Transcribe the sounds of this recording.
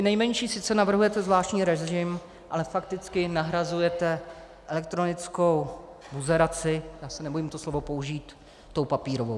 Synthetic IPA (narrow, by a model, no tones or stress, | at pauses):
t̪ɪnɛjmɛɲʃiːsɪt̪t͡sɛnavr̩ɦujɛt̪ɛzvlaːʃtɲiːɾɛʒɪm | ʔalɛfak̚t̪ɪt͡skɪnaɦɾazujɛt̪ɛ | ʔɛlɛkt̪ɾo̞nɪt͡sko̞w | buzɛɾat͡sɪjaːsɛnɛbojimt̪oslo̞vo̞po̞uʒiːt̪ː | o̞wpapiːɾovo̰w